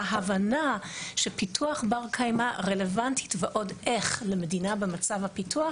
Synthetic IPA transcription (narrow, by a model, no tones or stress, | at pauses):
ɦavanaʃepitʰuaχbaʁkʰajmaʁele̞vantʰi̥tveʔo̞dʔeχlemedinabemat͡savhapitua